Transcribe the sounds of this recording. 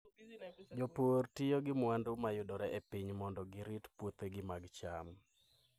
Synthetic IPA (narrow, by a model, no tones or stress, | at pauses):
d͡ʒoportɪjoɡɪmwandʊmajʊdɔɾɛʔepiɲmɔndɔɡɪɾɪtpwot̪eɡɪmaɡt͡ʃam